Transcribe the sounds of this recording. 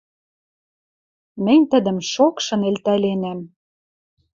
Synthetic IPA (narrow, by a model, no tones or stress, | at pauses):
mɘ̆nʲt̪ə̆d̪ə̆mʃokʃɤ̆nelt̪ælenæm